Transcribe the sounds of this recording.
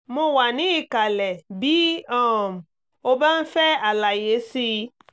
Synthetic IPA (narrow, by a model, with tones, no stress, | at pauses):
mo˧wa˨nĩ˨˦i˦˨ka˨lɛ˨bi˨˦ɔ̃˦˨m̩˨ | o˧ba˦n̩˦fɛ˦a˨la˨je˨˦si˧